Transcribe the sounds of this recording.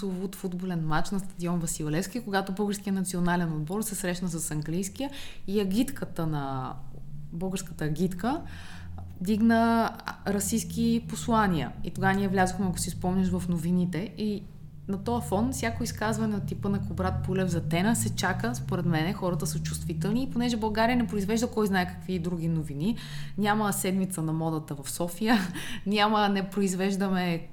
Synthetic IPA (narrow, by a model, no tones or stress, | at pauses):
ovut̪fud̪bolɛnmat͡ʃnɐst̪ɐd̪iɔnvɐsilˠlɛfskʲikoɡat̪obəlˠɡəɾskijənɐt̪sionalɛnod̪̚bɔɾsɛsɾɛʃnəsɐsɐŋɡlijsk̟ijəiɐɡʲit̪kʰət̪ənɐ | bəlˠɡəɾskət̪əɐɡʲit̪kə | d̪iɡnəɾɐsiskiposlˠaniə̰it̪oɡaniɛvlʲazoxmɛɐko̥sispɔmnʲəʃ̬vɐfnovinit̪ɛi | nɐt̪ɔəfɔnfsʲjakʊiskazvɐnɛot̪ipənɐkobɾat̪̚pulɛvzɐt̪ɛnəsɛt͡ʃakəspoɾɛt̪mɛnɛxɔɾət̪əsət͡ʃu̥st̪vit̪ɛlˠniːponɛʒɛbɐlˠɡaɾijənɛpɾoizvɛʒd̪əkɔjznaɛkɐ̥kvid̪ɾuɡ̟ʲinovini | nʲaməsɛd̪mit̪sənɐmɔd̪ət̪əvɐfsɔfijənʲamənɛpɾoizvɛʒd̪əmɛ